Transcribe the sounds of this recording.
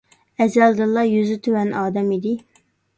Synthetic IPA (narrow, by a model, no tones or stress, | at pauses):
ɛzɛld̪ɨlˠːɑjyzɪt̪ʰywɛnʔɑːd̪ɛmid̪ɪ